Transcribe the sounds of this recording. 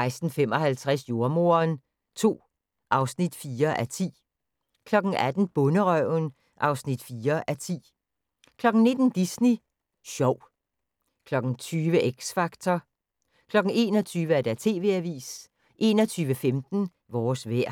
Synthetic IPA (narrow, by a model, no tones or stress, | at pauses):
ɪsd̥n̩fem̰ɒ̽hælt͡sʰʁɛsjo̝ɐmo̝ɐn | t͡sʰo̝̰ː | ʔɑ̈ʊsnid̥fiːɐʔæt͡sʰḭː | kʰlɒ̽ɡ̥n̩ʔæd̥n̩b̥ɔ̽nəʁœʊn | ʔɑ̈ʊsnid̥fiːɐʔæt͡sʰḭː | kʰlɒ̽ɡ̥n̩ne̝d̥n̩d̥isni | ɕɒʊ̰ | kʰlɒ̽ɡ̥n̩t͡sʰyːʋəʔeɡ̥sfɑ̈ɡ̥t͡sʰɒ | kʰlɒ̽ɡ̥n̩e̝̰ːnɒt͡sʰyːʋəæɐd̥æt͡sʰe̝̰ːʋe̝̰æʋḭːs | ʔe̝ːnɒt͡sʰyːʋəfemd̥n̩ | ʋɒːsʋeɐ̰